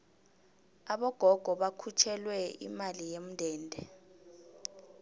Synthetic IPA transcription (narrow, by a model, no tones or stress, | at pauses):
aɓɔɡ̥ʱɔɡ̥ʱɔɓakʰut͡ʃʰɛlwɛḭmalijem̩ndʱɛːndʱɛ